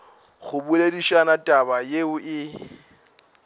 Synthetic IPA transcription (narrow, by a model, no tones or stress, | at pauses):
ɣʊbulediʃanatʼabajeʊʔɪ